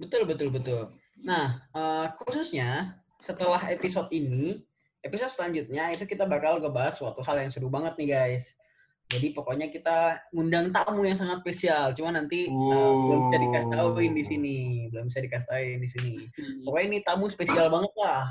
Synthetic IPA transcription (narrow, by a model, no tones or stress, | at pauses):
bət̪ʊlbət̪ʊlbət̪ʊl | nahəkususɲa | sət̪əlaɦepisɔt̪ini | episɔt̪səlaɲd͡ʒut̪̚ɲait̪ukit̪abakauɡabaɦaswat̪uɦaljaŋsədubaŋət̪̚nɪhɡajs | d͡ʒadipokoɲakit̪aŋundaŋt̪amujaŋsaŋat̪spesialt͡ʃumanːant̪iəbəlʊmbisadikast̪auɪndisinibəlʊmbisadikas̬t̪auɪndisinipokoinit̪amuspesialbaŋət̪̚lah